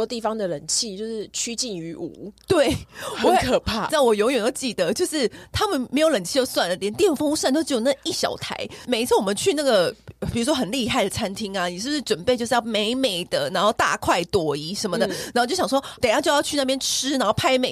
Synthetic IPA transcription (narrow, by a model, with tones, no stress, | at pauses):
ɔ˥t̪i˥˩fɑ˦ŋd̪ə˨lə˨˩ŋt͡ɕʰi˥˧t͡ɕjo˥˧ʊʂ̩˥˩t͡ɕʰy˥t͡ɕi˥˩ny˧˥ʔu˨˩˦t̪we˥˩ɪwkʰɤ˨˩pʰa˥˩t͡sa˥˩ɪwɔ˨˩jo˧˥ŋjɥɛ˨˩no˥˩ʊt͡ɕi˨˩d̪ə˦t͡ɕjo˥˧ʊʂɻ̩˥˩t̪ʰa˥mə˨nme˧˥ɪjo˧˥ʊlə˨˩nt͡ɕʰi˥˧jo˥˧swa˥˩nlə˩t̪jɛ˧˥nt̪jɛ˥˩˨fo˥ŋu˥ʂa˥˧no˥˧t͡ɕo˥˩jo˨˩n˥˩ʔi˥˩ɕjɑ̰˨˩ʊt̪ʰa̰˧˥ɪme˨˩ɪi˧t͡s̩ʰ˥˩wɔ˨˩mə˦nt͡ɕʰy˥˧na˥˩ɡə˩pi˨˩u˥ʂwɔ˥xə˨˩nli˥˧xa˥˩ɪd̪ə˩t͡sʰa˥nt̪ʰi˥ŋa˨ni˨˩ʂ̩˥ʂɻ̩˥˩ʈ͡ʂwə˨˩npe˥˧ɪt͡ɕo˥˧ʊʂjɑ˥˩ʊme˧˥ɪme˨˩ɪd̪ə˦na˧˥nxo˥˧ʊt̪a̰˥˧kʰwa˥˩ɪt̪wɔ˨˩˦i˧˥ʂə˧˥nmə˨d̪ə˨˩na˨˧˥t͡ɕo˥˩jɑ˨˩ʂwɔ˥t̪e˨˩ɪjt͡ɕo˥˧jt͡ɕʰy˥˧n˥˧pjɛ˥nʈ͡ʂʰɻ̩˥na˧˦nxo˥˩ʊpʰa˥ɪme˨˩